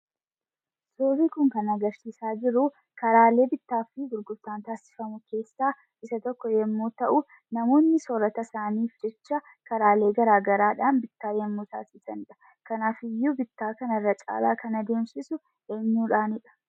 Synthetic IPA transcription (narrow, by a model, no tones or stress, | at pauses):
soːɾiːkʊŋkɐnɐɡɐɾsiːsaːd͡ʒɪɾʊ | kɐɾaːle̞ːbɪt̪ːaːfɪɡʊɾɡʊɾt̪aːnt̪aːsɪ̥fɐmʊke̞ːsːaː | ʔɪsɐt̪ɔkːɔjɛmːuːt̪ɐʔʊ | nɐmo̞ːnːɪsɔɾɐt̪ɐsaːniːfd͡ʒɛt͡ʃːɐ | kɐɾaːle̞ːɡɐɾaːɡɐɾaːᶑaːnbɪt̪ːaːjɛmːuːt̪a̰ːsɪsɐnɪᶑɐ̥ | kɐnaːfɪjːuːbɪt̪ːaːkɐnɐrːɐt͡ʃʼa̰ːla̰ːkɐnɐd̪e̞ːmsɪsʊ | eːɲːuːᶑaːnɪᶑɐ̥